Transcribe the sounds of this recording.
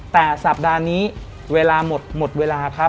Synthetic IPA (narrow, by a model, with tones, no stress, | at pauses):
t̪ɛː˨˩sa˨˩p̚daː˧niː˦˥ | weː˧laː˧mo˨˩t̪̚mo˨˩t̪̚weː˧laː˧kʰa˦˥